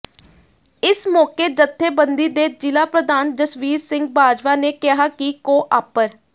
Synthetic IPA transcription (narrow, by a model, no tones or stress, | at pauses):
ɪsmɔːkeːd͡ʒət̪ʰːeːbənd̪iːd̪eːd͡ʒɪlaːpɾəd̪aːnd͡ʒəsʋiːɾsɪŋɡ̚baːd͡ʒʋaːneːkɪɦaːkikoːʔaːpəɾ